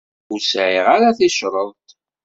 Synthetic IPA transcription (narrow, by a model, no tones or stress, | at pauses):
uɾsʕiʁaɾaθɪʃɾˤəðˤt̪